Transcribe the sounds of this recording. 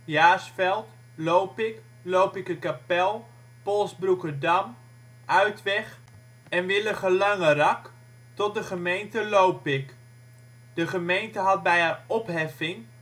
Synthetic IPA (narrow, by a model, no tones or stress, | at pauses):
jaːsfɛlˠt | lowpɪk | lowpɪkəkapɛlˠ | pɔlˠsbrukədɑm | ʔœɥtʋɛχ | ɛnʋɪləχəlɑŋərɑk | tɔt̚dəχəmejntəlowpɪk | d̥əχəmejntəɦɑt̚bɛjaɔpɦɛfɪŋ